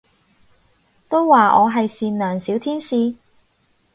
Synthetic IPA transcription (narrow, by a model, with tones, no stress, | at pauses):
t̪o˥wːaː˨˩ʔɔ̰ː˨˧ɦɐ˨jsiː˨nlœː˨˩ŋsiː˨˥wt̪ʰiː˥nsiː˧